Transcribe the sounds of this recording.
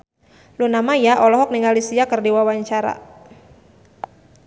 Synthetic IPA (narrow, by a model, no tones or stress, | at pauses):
lunamajaʔɔlɔɦɔk̚niŋalisiakərdiwawaɲt͡ʃaɾa̰